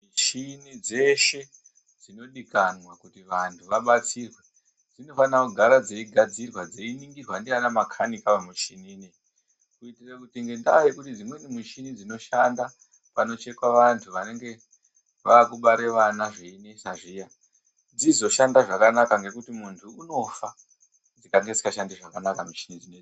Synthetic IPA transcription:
miʃinid͡ze̞ʃe̞ | d͡zino̞ɗikanwakutiʋantʰuʋaɓat͡siːrwe | d͡zino̞fanakuɡʱaɾad͡ze̞iɡʱad͡zirwad͡ze̞iniŋɡirwandianamakʰanikaʋamuʃinine | kuitirakutiŋɡe̞ndajekutid͡zimwenimuʃinid͡zino̞ʃanda | pano̞t͡ʃe̞kwaʋantʰuʋane̞ŋɡe̞ | ʋaːkuɓaɾe̞ʋanaʐeinesaʐija | d͡zizo̞ʃandaʐakanakaŋɡe̞kutimuntʰuːno̞fa | d͡zikaŋɡed͡zikaʃandiʐakanakamuʃinid͡zine

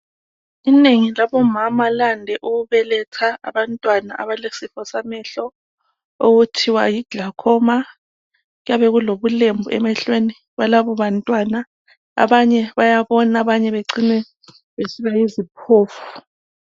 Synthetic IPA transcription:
ineŋilaβɔmamalandʱɛʔuɣuβɛlɛtʰaa̰βantʼwanaʔa̰βalesifɔsamɛɬɔ | oɣutʰiwa̰jiɡ̥ʱakʰɔma | ɣujaβɛɣuloβulembʱuɛ̰mɛɬweni | βalaβɔβantʼwana | a̰βaɲɛβajaβɔnaβaɲɛβeǀinɛ | βesiβajizipʰoːfu

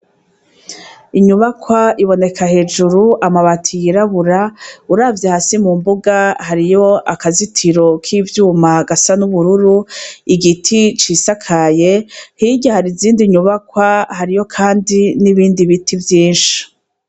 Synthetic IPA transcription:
iɲuβakwaiβo̞ne̞kʰahe̞ːd͡ʒuɾuʔamaβatʰijiɾaβuɾauɾaːvjehasimumbuɡahaɾijo̞ʔakazitʰiɾo̞kʰiːvjuːmaɡasanuβuɾuɾuiɡitʰit͡ʃisakʰaje̞hiɟahaɾiziːndiɲuβakwahaɾijo̞kʰaːndiniβiːndiβitʰivjiːnʃi̥

